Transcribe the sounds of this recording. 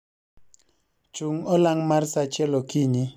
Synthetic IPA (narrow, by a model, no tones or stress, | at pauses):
t͡ʃuŋɔlaŋmaɾsat͡ʃɛlɔkiɲi